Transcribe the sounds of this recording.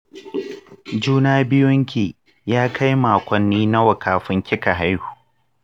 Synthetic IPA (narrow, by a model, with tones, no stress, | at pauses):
d͡ʒuː˦naː˦bɪ˦jʊ˦ŋkʲeː˨ | jaː˦kʰa˦jmaː˨kʷɐ˨nːiː˦na˦wɐ˨kʰaː˨ɸɪ˦ŋkʲɪ˦ka˨ɦa˦jhu̥ː˨